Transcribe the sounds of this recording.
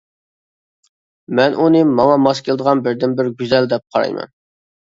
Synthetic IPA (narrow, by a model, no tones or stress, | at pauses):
mɛnʔunɨmɑŋɑmɑskʲʰelˠɨd̪əʁɑnbɪɾd̪ɪnbɪɾɡʲyzɛld̪ɛp̚qʰɑɾɑ̰jmɛ̰n